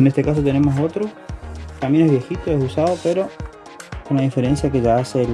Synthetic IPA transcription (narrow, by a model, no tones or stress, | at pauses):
nest̪ekas̬ot̪e̞ne̞moso̞t̪ɾot̪ambje̞neɦβje̞xit̪oesusaðopeɾo̞ | konlaðifeɾe̞nsjakeʒaasel